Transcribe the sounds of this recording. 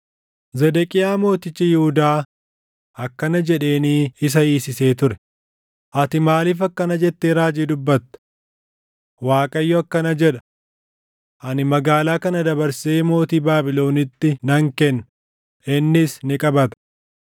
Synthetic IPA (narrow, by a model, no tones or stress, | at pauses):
zɛd̪ɛkʼɪjaːmo̞ːt̪ɪt͡ʃːɐjɪhʊd̪aː | ɐkːɐnɐd͡ʒɛᶑe̞ːniːɪs̬ɐiːsɪse̞ːt̪ʊɾɛ̥ | ʔɐt̪ɪmaːliːfɐkːɐnɐd͡ʒɛt̪ːeːɾaːd͡ʒiːd̪ʊbːɐt̪ːɐ̥ | waːkʼɐjːɔɐkːɐnɐd͡ʒɛᶑɐ̥ | ʔɐnɪmɐɡaːlaːkɐnɐd̪ɐbɐɾseːmo̞ːt̪iːbaːbɪlo̞ːnɪt̪ːɪnɐŋkɛnːɐ | ɪnːɪsnɪkʼɐbɐt̪ɐ̥